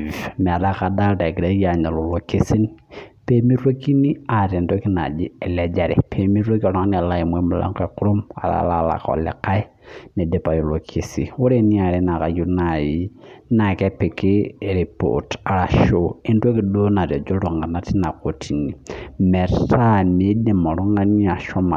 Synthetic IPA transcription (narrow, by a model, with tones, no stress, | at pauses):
mɛ˨da˦ka˨da˦lda˨ɡɾe˦ɡa˨ɲa˨lo˨lo˨ki˦si˦npe˦mi˦ɾo˦ki˦ni˦a˨ɾe˨ndo˦ki˦na̰˨d͡ʒi˦ɛ˨lɛ˨d͡ʒa˨ɾɛ̰˨pʰe˨mi˦ɾo˦ki˦a˨ɾɔ˦ŋa˦ni˦a˨la˦i˨mwɛ˦mu˦la̰˦ŋkɛ˦˨ku˦ɾo˦ma̰˨la̰˨˦la˦la̰˨kɔ̰˨lɛ̰˨ka˦i˦ | nɛ˨dɛ˨pa˨jo˨lo˨kʰe˨sḭ˨wu˦ɾe˦ni˦a˨ɾɛ˦na˨ka˨ju˦na˨ji˨˦na˨kɛ˦pe˨ki˦˨ɾi˨po̰˨ta˨ɾa˨ʃo˦i˦n˦to˦ki˨do˦na˨ɾɛ˨d͡ʒo˦ɾo˨ŋɡa˨na˦ti˦na˨ko˨tʰi˨ni˨mɛ˨ta˦mi˨˦dɛ˨ma˨ɾɔ˦ŋa˦ni˦a˨ʃɔ˦ma˨